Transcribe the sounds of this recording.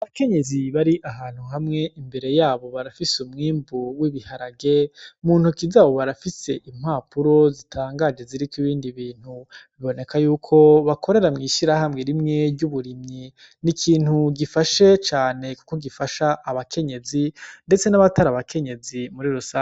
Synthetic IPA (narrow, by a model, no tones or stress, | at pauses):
aβake̞ɲe̞ziβaɾiʔaɦaːn̥huɦamŋe̞ʔimbe̞ɾe̞jaːβo̞βaɾafisumŋiːmbuwiβihaɾaɡemuːn̥hukizaβo̞βaɾafise̞ʔim̥haːpʰuɾo̞zitʰaːŋɡad͡ʒe̞ziɾikwiβiːndiβiːn̥huβiβo̞ne̞kʰajuːkʰo̞βakʰo̞ɾe̞ɾamŋiːʃiɾahamŋeɾimŋe̞ɟuβuɾimɲi | nikʰiːn̥huɡifaʃe̞t͡ʃaːne̞ku̥koɡifaʃaʔːβakʰe̞ɲe̞zinde̞t͡se̞naβataɾaβakʰe̞ɲe̞zimuɾiɾosaː